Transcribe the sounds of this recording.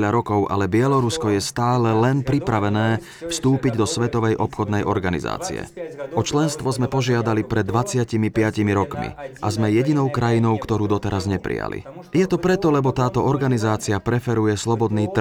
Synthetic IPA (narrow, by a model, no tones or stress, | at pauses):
ʎaɾɔkɔʊʔa̰lɛbɪɛlɔɾuskɔjɛst̪aːlɛlɛnpɾipɾaʋɛnɛː | fst̪uːpiɟd̪ɔsʋɛt̪ɔʋɛjʔɔpxɔd̪nɛjʔɔ̰ɾɡanḭza̰ːt͡sḭɛ̰ʔɔt͡ʃlɛnst̪ʋɔzmɛpɔʒɪad̪alipɾɛd̪ːʋat͡sɪacimipɪacimiɾɔkmḭʔazmɛjɛɟinɔʊkɾajinɔʊkt̪ɔɾuːd̪ɔt̪ɛɾazɲɛpɾḭja̰lḭ | jɛt̪ɔpɾɛt̪ɔlɛbɔt̪aːt̪ɔɔɾɡanizaːt͡siapɾɛfɛɾujɛslɔbɔd̪niːt̪